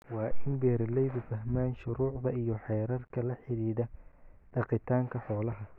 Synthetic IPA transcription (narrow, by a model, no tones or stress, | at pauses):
wɑːʔɪnbɛːɾlɛjðʊfɐɦmaːnʃʊɾuːʕd̪ɐijɞħɛːɾɐrkʰɐlɐħɪɾiːðɐɖ̪̥ɑqɪt̪ʰaːŋkʰɐħɔːlɐɦɐ